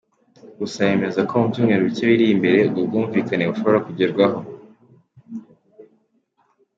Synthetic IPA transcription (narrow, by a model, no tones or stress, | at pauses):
usaje̞me̞zakʰo̞mubɟuːmŋe̞ɾoβiteβiɾiimbe̞ɾe̞ub̚ɡuːɱviːkaneβuʃo̞βo̞ɾakuɟeɾɡwaɦo̞